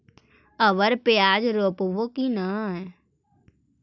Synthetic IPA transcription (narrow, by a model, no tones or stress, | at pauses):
əʋəɾpeaːd͡ʒɾoːpʋokinaɦɛ